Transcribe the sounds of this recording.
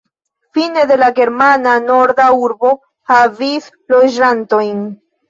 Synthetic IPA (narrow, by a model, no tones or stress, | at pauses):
fine̞d̪e̞laɡe̞ɾmanano̞ɾd̪auɾbo̞ | havis | lo̞d͡ʒanto̞jn